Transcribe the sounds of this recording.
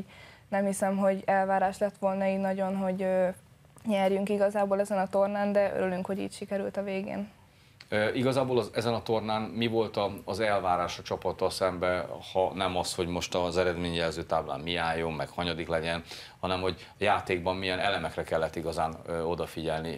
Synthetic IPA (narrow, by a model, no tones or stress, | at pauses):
nɛmhisɛmɦo̞ɟɛlvaːɾaːʃlɛt̪ʋo̞lnɒiːnɒɟo̞nɦo̞ɟøː | ɲɛrjyŋkiɡɒzaːboːlɛzɛnɒt̪o̞rnaːnd̪ɛø̰ɾylyŋkho̞ɟḭːcʃikɛɾylt̪ɒveːɡḛːn | øiɡɒzaːboːlɒzɛzɛnɒt̪o̞rnaːnmivo̞lt̪ɒːzɛlvaːɾaːʃɒt͡ʃɒpɒt̪ːɒlsɛmbɛhɒnɛmɒsho̞ɟmo̞ʃt̪ɒzɛɾɛd̪meːɲjɛlzøːt̪aːbla̰ːnmiaːjːo̞mːɛkhɒɲɒd̪iklɛɟɛn | hɒnɛmho̞ɟ | jaːt̪eːɡ̚bɒmːijɛnɛlɛmɛkrɛkɛlːɛt̪ːiɡɒzaːnøo̞d̪ɒfiɟɛlni